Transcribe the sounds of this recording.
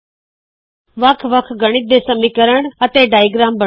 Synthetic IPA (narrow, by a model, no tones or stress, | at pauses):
ʋəkʰʋəkʰɡəɽ̃it̪̚d̪eːsəmikəɾəɳ̃ət̪eːɖaːiɡɾaːmbə